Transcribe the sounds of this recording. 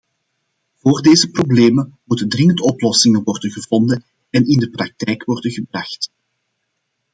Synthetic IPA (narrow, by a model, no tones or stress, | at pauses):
v̥oːrdeːzəprobleːmənmutəndrɪŋəntɔplɔsɪŋəʋɔrdənɣəvɔndən | ɛnɪndəprɑk̚tɛjkwɔrdənɣəbrɑxt